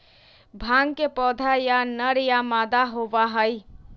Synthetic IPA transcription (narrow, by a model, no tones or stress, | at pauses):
bʱaŋkepɔd̪ʱajanəɾjamad̪aɦobaɦəj